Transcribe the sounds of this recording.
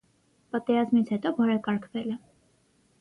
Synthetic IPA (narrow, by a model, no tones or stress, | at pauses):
pɑt̪ɛɾɑzmit͡sʰhɛt̪ɔvɔɾɛkɑɾkʰvɛlɛ